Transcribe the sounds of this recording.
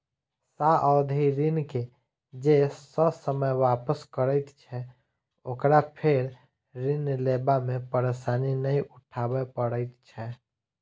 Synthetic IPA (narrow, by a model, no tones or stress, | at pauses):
saʔɔd̪ʱiɾɪnke | d͡ʒesəsəməjwaːpəskəɾəɪt̪t͡ʃʰɛ | oːkɾapʰeɾ | ɾɪnleːbamẽpəɾesaːninəĩʔʊʈʰaːbepəɽət̪t͡ʃʰɛ